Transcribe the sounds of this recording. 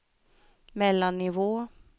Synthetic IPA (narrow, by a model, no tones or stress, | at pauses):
mɛlːanːɪvoː